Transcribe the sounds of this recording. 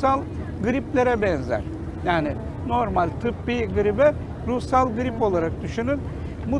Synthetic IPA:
alˠ | ɡɯɾiplʲe̞ɾɛbɛnzæ̰ɾ̥ | jaːnɪ | no̞ɾmalʲt̪ʰɯpbiɡɯɾibɛ | ɾusalˠɡɯɾipo̞lˠaɾak̚d̪ɯʃunɯn | mu

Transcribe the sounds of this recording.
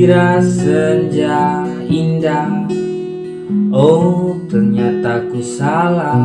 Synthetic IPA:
ɾasəɲd͡ʒa | inda | ot̪ərɲat̪akusala

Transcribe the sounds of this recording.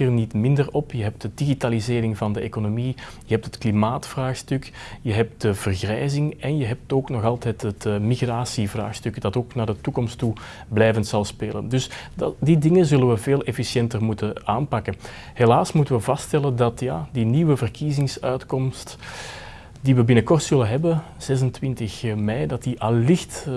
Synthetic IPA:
ərnitmɪndərɔpjəɦɛp̚tdədiɣitalizɪːɾɪŋvɑndəekonomi | jəɦɛp̚tətklimaːtfraːxstʏk | jəɦɛp̚t̚d̥əvərɣrɛjzɪŋɛnjəɦɛp̚toːknɔxɑlˠtɛtɦətmiɣraːsivra̰ːxstʏkdɑtoːknaːrdətukɔmstu | blɛjvəntsɑlˠspeːlə̰ndɵsddidɪŋəzɵləʋəveːlɛfisjɛntərmutəa̰ːnpɑkən | helaːsmutəʋəvɑstɛləndɑtjaːdiniːʋəvərkizɪŋsœɥtkɔmst | d̥iʋəbɪnəkɔrtsɵlənɦɛbən | z̥ɛzəntʋɪntəxmɛjdɑtdiʔɑlːɪxt

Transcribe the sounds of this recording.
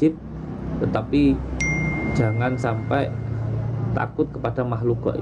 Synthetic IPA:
ɪt̪̚ː | ət̪api̥ | d͡ʒ̥a̤ŋansampɛ | t̪a̰kʊt̪̚kəpad̥amaɦlukɔ̰ʔ

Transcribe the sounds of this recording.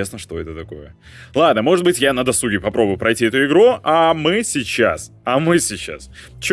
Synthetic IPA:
esnəʂt̪o̞ɛt̪ət̪ɐko̞̰jə | lˠad̪nəmo̞ʐɨt̪bɨtʲjanəd̪ɐsˠuɡʲɪpɐpɾobʊjʊpɾɐjtʲiɛt̪ʊɪɡɾuʔamɨsʲɪt͡ɕːa̰s | ɐmɨsʲɪt͡ɕːa̰s | t͡ɕ

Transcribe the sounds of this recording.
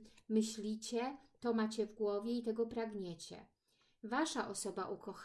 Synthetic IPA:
mɘɕlʲit͡ɕɛt̪ɔmat͡ɕɛvɡwɔvʲjɛit̪ɛɡɔpɾaɡɲɛt͡ɕɛ̰ | vaʂaʔɔsɔbaʔukɔx

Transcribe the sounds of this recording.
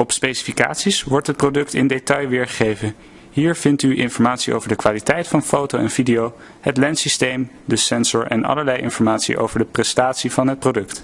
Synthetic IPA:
ɔpspejsi̥fika̰ːtsisʋɔɹtɦət̚prodɵktɪndejtɑjʋɪːɹχə̥χejvən | ɦiːɹv̥ɪntyʔɪnfɔɹmaːtsiʔo̰wvəɹdəkʋaːlitɛjtfɑnfowtowɛnvidijow | ɦətlɛntsistejm | dəsɛnzʊɹʔɛ̰nɑ̰ləɹlɛjʔɪ̰nfɔɹmaːtsḭʔo̰wvəɹdəprɛstaːtsivɑnɦət̚prodɵkt

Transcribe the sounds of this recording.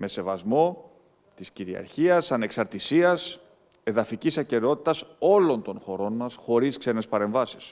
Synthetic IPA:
me̞se̞vɐzmo̞ | t̪isciɾiɐ̰ɾçiɐsɐne̞ksɐɾt̪isiɐs | e̞ðɐficisɐce̞ɾeo̞t̪i̥t̪ɐso̞lo̞nt̪o̞nxo̞ɾo̞nmɐsxo̞ɾiskse̞ne̞spɐɾe̞ɱvɐsi̥s

